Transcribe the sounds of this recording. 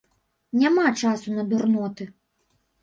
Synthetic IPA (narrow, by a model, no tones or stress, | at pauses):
nʲamat͡ʂasunɐd̪urnɔt̪ɨ